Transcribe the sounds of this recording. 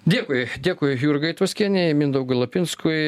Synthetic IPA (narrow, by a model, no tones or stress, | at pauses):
d̪ʲeːkʊjd̪ʲeːkʊɪjuɾɡɐɪt̪ʋɐsʲkʲiɛnʲɛɪmʲind̪ɐʊɡɐlˠɐpʲɪnskʊj